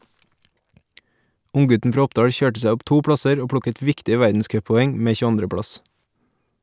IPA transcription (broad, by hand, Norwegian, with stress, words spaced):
ˈʊŋˌɡʉtn̩ ˈfɾɑː ˈɔpˌdɑːɽ ˈçøːʈə ˈsæ ˈɔp ˈtuː ˈpɽɑsəɾ ˈoː ˈpɽʊkət ˈʋɪktɪə ˈʋæɾdn̩ˌskœppɔˌɛŋ ˈmeː çʉˈɑndɾə ˈpɽɑs